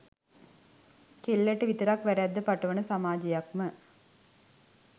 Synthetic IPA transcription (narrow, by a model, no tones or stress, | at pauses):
kelːeʈːɯʋit̪ɐɾaːkʋɐɾad̪ːɐpɐʈːɐʋɐnɐsɐmaːd͡ʒɐjakmɐ